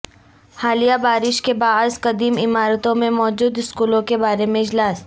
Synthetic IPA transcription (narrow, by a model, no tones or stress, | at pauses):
haːlijabaːɾɪʃkebaːɾzqɐd̪iːmɪmaːɾət̪õmẽmɔːd͡ʒuːd̪ɪskuːlõkebaːɾemẽɪd͡ʒlaːs